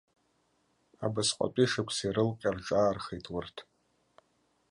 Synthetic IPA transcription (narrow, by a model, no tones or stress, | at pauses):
a̰basqʷʼa̰tʼiʂɨkʷʰsiɾɨlqʲʼarʈ͡ʂʼaːrχejtʼwʊrtʰ